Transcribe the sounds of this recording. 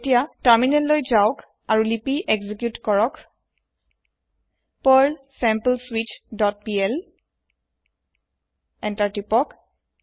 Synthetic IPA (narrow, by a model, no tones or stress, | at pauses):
tijatəɹminɛ̃llojzawk | aɹulipiʔeɡzikjutkɔɹɔk | pəlsɛmpəlswit͡ʃdɔt̚piɛl | ɛntaɹtipɔk